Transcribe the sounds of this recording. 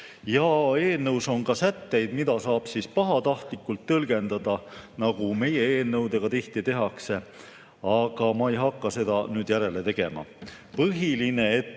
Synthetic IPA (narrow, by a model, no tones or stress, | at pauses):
jɑe̞ːlnɤwso̞ŋkɑsæt̪ːe̞jd̪̥mid̪ɑsɑːb̥sispɑɦɑt̪ɑht̪likːˑult̪ːɤlɡ̥e̞nd̪̥ɑd̪̥ɑnɑɡ̥ume̞jeeːlnɤwd̪e̞ɡ̥ɑt̪iht̪it̪e̞ɦɑkse̞ | ɑɡ̥ɑmɑejɦɑkːɑse̞d̪̥ɑnyːd̪jæɾe̞le̞t̪e̞ɡ̥e̞̰mɑ̰ | pɤɦiline̞et̪ː